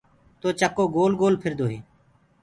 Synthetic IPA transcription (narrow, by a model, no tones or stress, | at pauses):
t̪oːt͡ʃəkoːɡoːlɡoːlpʰɪɾd̪oːɦeː